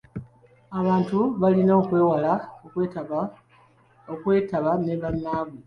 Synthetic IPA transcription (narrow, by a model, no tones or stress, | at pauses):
aβaːntuβalinoːkwe̞ːwala | okwe̞ːtaβane̞βanːaːβu